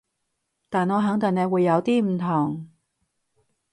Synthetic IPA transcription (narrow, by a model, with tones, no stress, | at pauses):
t̪aː˨nŋɔː˨˧ɦœ˨˥ŋt̪ɪ˨˩ŋne˨˧wuː˨˧jːɐ˨˧wt̪iː˥m̩˨˩t̪ʰʊ˨˩ŋ